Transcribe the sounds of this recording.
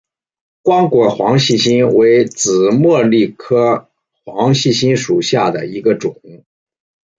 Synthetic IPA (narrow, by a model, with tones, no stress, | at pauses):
kwɑ˥ŋkwɔ˨˩xwɑ˧˥ŋɕi˥˩ɕi˥nwe˧˥ɪt͡sɹ̩˨˩mwɤ˥˧li˥˩kʰɤ˥ | xwɑ˧˥ŋɕi˥˩ɕi˥nʂu˨˩ɕja˥˩d̪ə̰˩i˧˥ɡə˧ʈ͡ʂʊ˨˩˦ŋ